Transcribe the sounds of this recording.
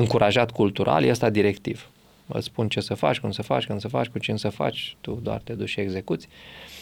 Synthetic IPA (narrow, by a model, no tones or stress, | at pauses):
ɨŋkuɾaʒat̪kult̪uɾʔa̰ljeəst̪ad̪iɾe̞kt̪iv | ə̰t̪spunt͡ʃe̞səfa̰t͡ʃʲkund̪səfa̰t͡ʃʲkɨnsəfat͡ʃʲkut͡ʃinsəfa̰t͡ʃʲt̪ud̪oa̰rt̪ed̪ut͡ʃʲʃie̞ɡze̞kut̪sʲ